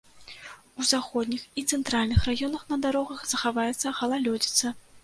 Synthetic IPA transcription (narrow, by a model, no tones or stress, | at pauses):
uzaxɔd̪ʲnʲixit̪sɛnt̪ɾalʲnɨxrajɔnɐxnɐd̪aɾɔɣɐxzɐxavajɛt̪sːɐxɐlˠalʲɔd͡zʲit̪sɐ